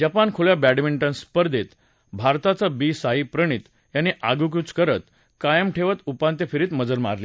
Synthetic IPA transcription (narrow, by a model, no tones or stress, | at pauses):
d͡ʑapankʰoɭjabæɽmiɳʈə̃nspəɾd̪ʱet̪ | bʱaɾt̪at͡sabiːsaɦipɾəɳ̃iːt̪ | janːiʔaɡuk̬jut͡skəɾət̪ | kajəmʈʰeʋət̪upant̪efiɾiːt̪məd͡zəɾma̰ɾli